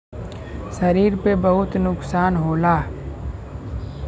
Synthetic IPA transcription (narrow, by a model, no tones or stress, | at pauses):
sɐɾiːɾpebɐɦʊt̪nʊksaːnɦoːlaː